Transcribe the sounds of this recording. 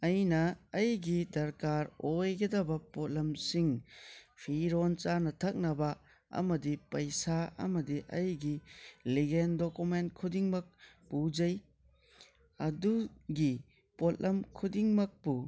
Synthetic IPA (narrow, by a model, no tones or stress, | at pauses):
ɐjnɐːjɡidɐɾkaɾojɡɐdɐbɐpot̚lɐmsiŋpʰiɾont͡ʃanɐtʰɐk̚nɐbɐ | ɐ̰mɐdipɐjsaɐ̰mɐdiʔɐjɡiliɡendokumentkʰudiŋmɐk̚ | pud͡ʒɐj | ɐduɡi | potlʔɐmkʰudiŋmɐk̚pu